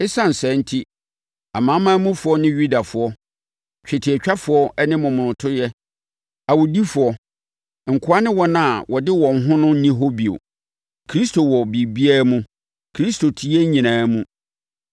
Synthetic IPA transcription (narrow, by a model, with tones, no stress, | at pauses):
ɪ˦sã˦˨n̩˨sɛ̃˨˦n̩˦tʰi˦ | a˨mã˨˦mãː˦mũ˦fʊ˨˦ɔ˦nɪ̃˦ɥu˦da˨fʊ˨˦ɔ˦ | t͡ɕᶣɛ˨tʰi˨ɛ˨t͡ɕᶣa˦fʊ˨˦ɔ˦ɛ˦nɪ̃˦mʊ̃˨mʊ̃˨nʊ̃˨tʰʊ˦ɾjɛ˦ | a˨wo˨di˦fʊ˨ɔ˦ | ŋ̩˨kʰʊ˨˦a˦nɪ̃˦wɔ˦nã˦˨wɔ˨dɪ˦wɔ̃˨ŋ˦ɦʊ̃˦nʊ̃˦n̩˦nĩ˦ɦo˦bi˨o̰˨ | kʰɾi˦stʰo˨wɔ˨bi˨bi˦a˦mũ˦ | kʰɾi˦stʰo˨tʰi˨˦e˦ɲĩ˨nãː˨˦mũ˦